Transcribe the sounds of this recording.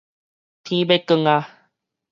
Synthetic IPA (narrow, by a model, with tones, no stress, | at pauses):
t̪ʰĩ˧˦be˦kə˧ŋa˧